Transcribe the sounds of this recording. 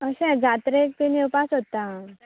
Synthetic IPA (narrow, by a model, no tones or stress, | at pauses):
əɕɛ̃d͡zʱat̪ɾek̚t̪inewpasɦot̪a